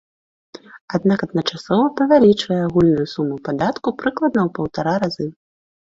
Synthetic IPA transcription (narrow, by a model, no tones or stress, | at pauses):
ad̪̚nakɐd̪̚nɐt͡ʂasɔvɐpɾɐvʲalʲit͡ʂvɐjɛaɣulʲnʊjusumːupad̪at̪kupɾɨklˠɐd̪nɐwpɐwt̪aɾaɾazɨ